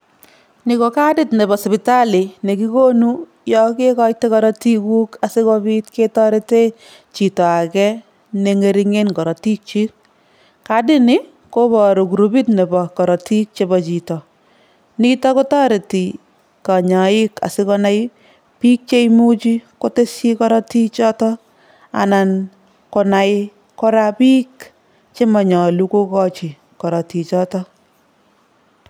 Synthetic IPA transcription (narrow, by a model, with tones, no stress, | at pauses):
ni˨ko˨ka˦dɪ˦tnɛ˨bɔ˨spɪ˨ta˦li˨ne˨ki˦ko˦nu˦ | jɔ˦ke˦kɔ˦j̚te˦kɔ˦ɾɔ˦ti˦ku˦ka˨sɪ˦kɔ˦bi˦tke˦tɔ˦ɾe˦te˦ | t͡ʃi˨tɔ˨a˨kɛ | ne˨ŋe˨ɾi˦ŋe˦nkɔ˨ɾɔ˨ti˦k̚t͡ʃi˦k̚ | kadɪ˦nɪ˦ | ko˦bɔ˨ɾo˨ku˨ɾu˨bi˦tne˨bɔ˨kɔ˨ɾɔ˨ti˦k̚t͡ʃe˧bɔt͡ʃi˨tɔ˨ | ni˦tɔ˦ko˦ta˦ɾe˨ti˨ | ka˨ɲa˨ɪ˦ka̰˨sɪ˦kɔ˧na˦j | pi˦k̚t͡ʃe˦jmu˦t͡ʃi˦ko˦te˦sji˦kɔ˦ɾɔ˦ti˦t͡ʃɔ˦tɔ˦ | a̰˨na˨n | kɔ˨na˨j | kɔ˦ɾa˦pi˦k | t͡ʃe˦mɔ˨ɲɔ˨lu˦ko˦kɔ˦t͡ʃi˨ | kɔ˨ɾɔ˨ti˨t͡ʃɔ˦tɔ˦